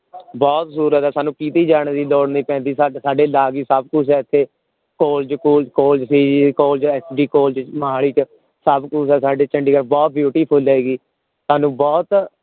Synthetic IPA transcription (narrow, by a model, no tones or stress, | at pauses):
bɔːt̪suːɾət̪ɛːsaːnũːkiːt̪iːd͡ʒaːɳ̃d̪iːlɔːɽniːpɛ̃ːnd̪iːsasaːɖeːlaːɡiːsəb̚kʊs̬ɛːɪt̪ʰːeː | koːlt͡ʃkuːlkoːlt͡ʃsiːkoːlt͡ʃɛːsɖiːkoːlt͡ʃmɦaːɽiːt͡ʃ | səbkʊsɛːsaːɖeːt͡ʃəɳɖiːkəɾbɔːt̪̚bjuːʈiːpʰʊlːeːɡiː | saːnũːbɔːt̪